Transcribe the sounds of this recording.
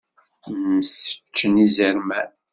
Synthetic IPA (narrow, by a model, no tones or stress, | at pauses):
msə̥t͡ʃːənizəɾmæ